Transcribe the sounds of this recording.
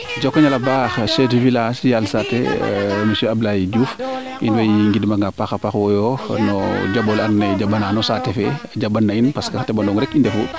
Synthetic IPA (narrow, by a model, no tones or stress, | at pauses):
d͡ʒɔkːɲɐlɐbaːxʃɛtvilasjalsatːɛ̰misɛɐblajiɟuːf | ʔinwɛjiŋɡidmɐŋɡapaxɐpaxwɔjɔnɔɟɐbɔlɐnnɛɟabɐnaːnɔsatːɛfɛɟɐbːɐnːɐinpɐskaxtɛbɐndɔŋɾɛkindɛfu